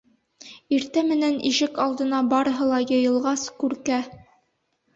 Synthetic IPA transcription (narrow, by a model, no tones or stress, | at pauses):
iɾt̪æmɘ̆næniʃɘkɑlˠd̪ɤ̆nɑbɑɾɤ̆ɦɤlˠɑjɤ̆jɤ̆lˠʁɑskʉɾkæ